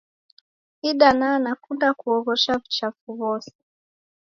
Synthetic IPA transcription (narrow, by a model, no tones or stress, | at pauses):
iɗananakundakuɔɣɔʃavit͡ʃafuβɔsɛ̥